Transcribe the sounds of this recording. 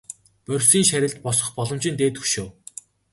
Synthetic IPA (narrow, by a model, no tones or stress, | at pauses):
pœrʲsiːŋʃæɾʲɪ̆ɮt̪̚pɔsɞ̆χpɔɮɞ̆m̥t͡ɕɪ̆nt̪eːt̪ɵʃoː